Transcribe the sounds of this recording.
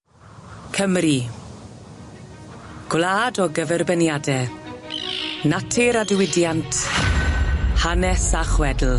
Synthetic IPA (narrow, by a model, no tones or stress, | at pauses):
kʰəmri | ɡ̥wlaːdɔɡəvɛrbənjadɛ | natʰɪɾadwɪdjantʰ | hanɛsaχwɛdl̩ˠ